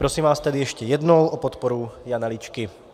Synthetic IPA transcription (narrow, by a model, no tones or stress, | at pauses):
pɾosiːmʋaːst̪ɛd̪ijɛʃcɛjɛd̪nowʔɔpɔt̪pɔɾujanalit͡ʃkɪ